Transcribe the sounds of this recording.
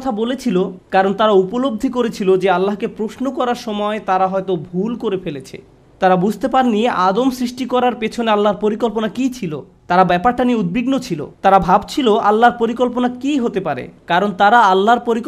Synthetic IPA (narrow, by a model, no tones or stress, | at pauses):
t̪ʰabolet͡ɕʰilokaɾont̪aɾaupolob̚d̪ʱikoɾet͡ɕʰilod͡ʑealːaɦkepɾosnokɔɾaɾʃɔmɔet̪aɾaɦɔet̪obʱulkoɾefelet͡ɕʰḛ | t̪aɾabud͡ʑʱt̪epaɾnieʔad̪omsɾiʃʈikɔɾaɾpet͡ɕʰonealːaɾpoɾikolponakit͡ɕʰilo | t̪aɾabɛpaɾʈanieud̪̚biɡnot͡ɕʰilo̰t̪aɾabʱabt͡ɕʰiloʔalːaɾpoɾikolponakiɦot̪epaɾḛkaɾont̪aɾaalːaɾpoɾik